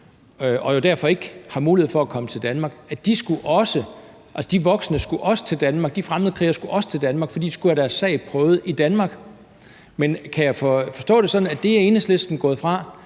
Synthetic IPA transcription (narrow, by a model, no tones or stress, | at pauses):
ɒ̽jo̝d̥æɐ̰fɒ̽e̝ɡ̥hɑ̈muːlihe̝fɒ̽ækʰɒ̽mət͡sʰe̝ld̥ænmɑ̈ːɡ̥æd̥isɡ̥uʔɒ̽sə | ʔælsə̥d̥iʋɒ̽ɡ̥sənəsɡ̥uʔɒ̽sə̥t͡sʰe̝ld̥ænmɑ̈ːɡ̥̚d̥ifʁaməð̩ˠəkʰʁḭːɐsɡ̥uʔɒ̽sə̥t͡sʰe̝ld̥ænmɑ̈ɡ̥fɒ̽dḭd̥i̥sɡ̥uhæɾ̥æɐsːɛ̰ɪpʰʁœːʊð̞̩ˠid̥ænmɑ̈ːɡ̥ | menkʰæjɑ̈ɪfɒfɒ̽sd̥ɔ̰̽ːɾ̥e̝sɒ̽d̥n̩æd̥e̝æe̝ːnəslsd̥n̩ɡ̥ɔ̰ːðˠfʁɑ̈